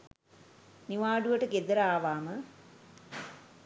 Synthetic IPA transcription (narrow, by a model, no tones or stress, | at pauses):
niʋaːɖuʋɐʈɐked̪ɐɾaːʋaːmɨ